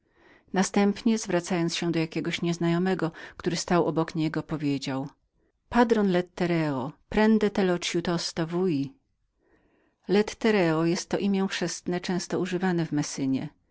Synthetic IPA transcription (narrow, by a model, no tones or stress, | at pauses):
nast̪ɛmpɲɛzvɾat̪sajɔnsɕɛ̃d̪ɔjakʲɛɡɔɕɲɛznajɔmɛɡɔkt̪uɾɘst̪awʔɔbɔkɲɛɡɔpɔvʲjed͡ʑaw | pad̪ɾɔnlɛt̪ːɛɾɛɔpɾɛnd̪ɛt̪ɛlɔt͡ʂjut̪ɔst̪ɔvuji | lɛt̪ːɛɾɛɔjɛst̪ːɔʔimʲjɛ̃fʂɛst̪nɛt͡ʂɛ̃w̃st̪ɔuʐɘvanɛvmɛsɘɲɛ̰